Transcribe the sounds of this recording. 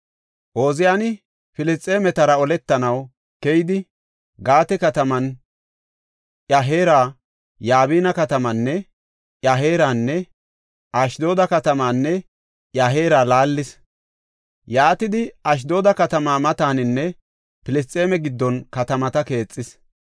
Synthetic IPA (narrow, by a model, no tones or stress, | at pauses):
ʔo̞ːzɪjaːnɪ | pɪlɪst͡sʼeːmɛt̪ɐɾɐɔlɛt̪ːɐnɐw | kɛjɪd̪ɪ | ɡaːt̪ɛkɐt̪ɐmɐn | ʔjaɦeːɾaː | jaːβiːnɐkɐt̪ɐmɐnːɛ | ʔjɐɦeːɾaːnːɛ | ʔɐʃd̪o̞ːd̪ɐkɐt̪ɐmaːnːɛ | ʔjaɦe̞ːɾaːlaːlːɪs | jaːt̪ɪd̪ɪɐʃ̬d̪o̞ːd̪ɐkɐt̪ɐmaːmɐt̪aːnɪnːɛ | pɪlɪs̬t͡sʼːe̞ːmɛɡɪd̪ːɔnkɐt̪ɐmɐt̪ɐke̞ːt͡sʼːɪs